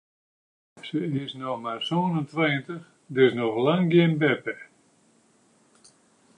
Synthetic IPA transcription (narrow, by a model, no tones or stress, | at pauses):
səɪsnɔxmarsoːənəntʋeːəntəx | dɪsnɔxlaŋɡjɪnbɛpɛ